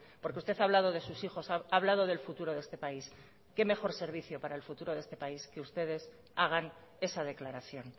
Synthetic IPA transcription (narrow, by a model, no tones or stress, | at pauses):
po̞ɾkeust̪eθaβlað̞o̞ð̞e̞susixo̞saaβ̞lað̞o̞ð̞e̞lfut̪uɾo̞ðe̞st̪e̞pais | ke̞me̞xo̞ɾse̞ɾβ̞iθjo̞paɾaelfut̪uɾo̞ðe̞st̪e̞paiskeust̪e̞ð̞e̞s | aɣ̞an | e̞sað̞e̞klaɾaθjo̞n